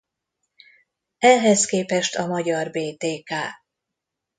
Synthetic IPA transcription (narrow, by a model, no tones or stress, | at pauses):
ɛɦɛskeːpɛʃt̪ʰɒmɒɟɒrbeːt̪eːkaː